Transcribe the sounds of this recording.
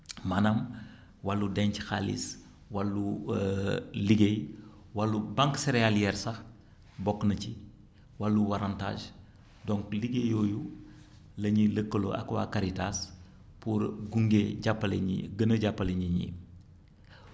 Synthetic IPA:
manɐm | walːudɛɲcxalḭs | walːu | liɡej | walːubaŋkseɾealjɛɾsɐx | bɔkːnɐci | walːuwaɾanta̰ːʒ | dɔŋkliɡejoːju | lɐɲiləkːəlo̰ɐ̰kwa̰kaɾitas | puɾɡuŋɡeɟapːɐlḭɡənəɟapːɐleɲiɲḭ

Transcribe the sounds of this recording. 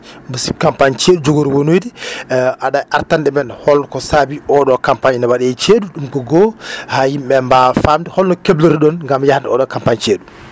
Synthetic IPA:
busip̚kampaɲt͡ʃeɗud͡ʒoɡoɾwonojdiʔaɗajʔaɾtandɛmɛnhɔlkɔsabiɔɗɔkampaɲnɔwaɗɛt͡ʃeɗuɗumkɔɡɔhajimɓɛmbafamdɛhɔlnɔkebloɾiɗɔnŋɡamjahndɛɔɗɔkampaɲt͡ʃeɗu

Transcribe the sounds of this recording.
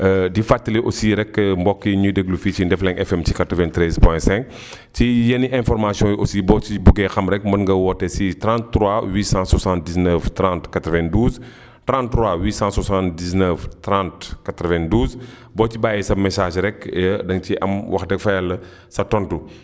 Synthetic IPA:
ədifatːəliʔosiːɾɛkːmbɔkːiɲudəɡluficindɛflɛŋʔɛfɛmcikatɾəvɛ̃ntɾɛzpwɔɛ̃sɛ̃ŋk | cijɐniʔɛ̃fɔɾmasiɔ̃jʔosibɔːt͡ʃibuɡɛxɐmɾɛkːmɐnŋɡɐwɔtːɛsitɾãntːɾwawiːsãswasãntdisnəftɾãntkatɾəvɛ̃nduːz | tɾãntːɾwawiːsãswasãntdiznəftɾãntkatɾəvɛ̃nduːz | bɔːcibaːjisɐbmɛsaːʒɾɛkːjədɐŋciʔɐ̰mwʔɐxtːɛkfajɛlːɐ | sɐtɔntu

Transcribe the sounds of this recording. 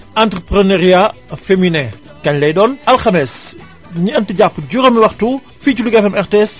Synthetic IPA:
ʔantɾəpɾəneɾiafeminɛ | kɐɲlɛjɗɔːnʔɐlxɐmɛs | ɲiɐntiɟapːɟuɾɐmiwɐxtu | fiːt͡ʃuluɡɛfɐmɛɾtɛs

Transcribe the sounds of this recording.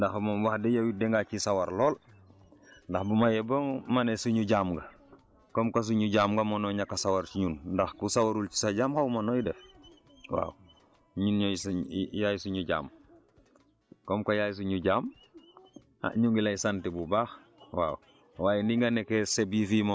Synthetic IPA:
ndaxmomwaxdejowidɛŋɡakisawaɾloːl | ndɐxbumajeboːŋmanesuɲuɟaːmɡɐ | kɔmkas̬uɲuɟaːmɡamonoɲakːasawaɾt͡ʃiɲunndɐxkusawaɾult͡ʃi̥saɟaːmhawmanojidɛf | wa̰ːw | ɲunɲsjajsuɲuɟa̰ːm | kɔmkajaːjs̬uɲuɟaːm | a̰ɲuŋɡilaisantibubaːx | wa̰ːw | waːjendiŋɡanekesebifimo

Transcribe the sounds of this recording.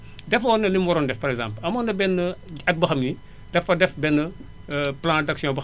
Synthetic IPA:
dɛfɐɔnːɐlimwɔɾɔndɛfpɐɾɛkɡzã̰ːmplɐmɔndɐbɛnːəɐk̚bɐxɐmji | d̥ɛfɐdɛfbɛnːə | plãːdɐksjɔ̃bɐ

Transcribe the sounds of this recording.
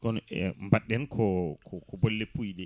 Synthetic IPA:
kɔnɛmbaɗːɛnkʰɔkʰɔkɔbolːepːujɗɛ

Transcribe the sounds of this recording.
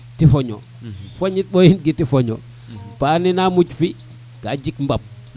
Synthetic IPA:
tifoɲo | foɲit̚ɓojint̚ɡitifoɲɔ̰ | paninamut͡ʃfi | ɡad͡ʒikmbap̚

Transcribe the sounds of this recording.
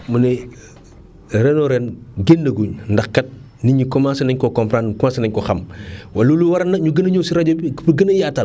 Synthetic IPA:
mɐnɛ | rɛnɔɾɛnɡendɐɡuɲndɐxkːɐt̚ | niɲikɔmãsɐnɐɲkɔkɔmpɾankɔmaːsɐnɐɲkɔxɐmwaluluwɐɾɐnːɐɲuɡənɐɲɔːsiɾɐɟobipəɡənɐjaːtɐl

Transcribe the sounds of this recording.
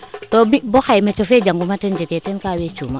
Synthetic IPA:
tɔbibɔxajmɛt͡ʃɔfɛd͡ʒaŋɡumatɛnd͡ʒɛkɛtɛnkawɛt͡ʃuma

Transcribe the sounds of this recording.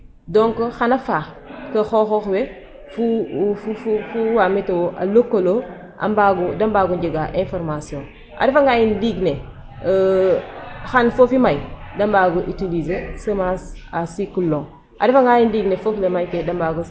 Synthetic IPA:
dɔŋkoxanɐfa | kɐxoxoxwe | fufufufuwametewoʔa̰lokːolo | ʔa̰mbaɡudɐmbaɡuɲɟiɡaʔẽnfɔɾmasiõn | ʔa̰defaŋɡajindiɡne | xanfofimajdɐmbaːɡuʔitilizesɐmasasikulːoŋ | ʔa̰dɐfɐŋɡajindiɡnefoflemajkedɐmbaɡu

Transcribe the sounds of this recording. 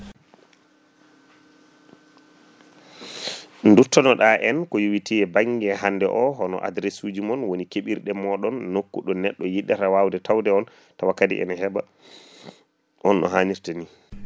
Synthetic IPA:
ndutːɔnɔɗaʔɛnkɔjuwitiɛbaŋɡɛɦandɛ̰ʔɔɦɔnɔ̰ʔa̰dɾesud͡ʒimɔnwonikeɓiɾɗɛmɔɗɔnːokːuɗɔnɛɗːɔjiɗːɛtawawdɛtawdɛɔn | tawakadḭʔɛ̰naɦɛba̰ | ʔɔnʔɔ̰ɦaːɲiɾtani

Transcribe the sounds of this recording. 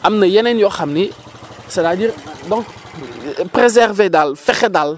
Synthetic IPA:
amnəjɛnɛnjɔxamni | sɛtadiːɾdɔ̃ŋk | prezɛrvedalfɛxedal

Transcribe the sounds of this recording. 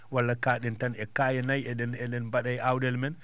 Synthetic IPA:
walːakaːɗɛntanɛkaːjɛnajɛɗɛnɛnɗɛnbaɗajawdɛlmɛn

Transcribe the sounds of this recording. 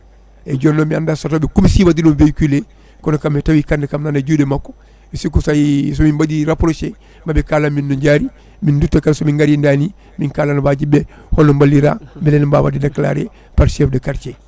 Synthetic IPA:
eɟonːombiandasatobekumisibadinoːnveikile | konkamːetabikandakamnaːnaɟudemako̥ | bisikusajs̬omimbadiɾapoɾose | mabikaːlaminːoɲɟaɾi | mindutːakaɾsomiŋɡaɾindaːni | miŋkaːlanbaɟibe | honombaliɾa̰ːbileːnba̰badidakla̰ːɾḛ | paɾsefdakaɾt͡ʃe

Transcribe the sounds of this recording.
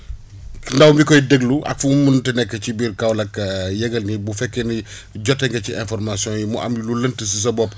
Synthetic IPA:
ndɐwmbikɔjdəɡluʔɐ̰k̚fumuntɐnɛkːət͡ʃibiːɾkɐwlɐkjɛɡɐlnibufɛkːɛni | ɟɔtːɛŋɡɐciʔɛ̃nfɔrmasijɔ̃njimɔʔa̰mjululəntəs̬is̬ɐbɔp

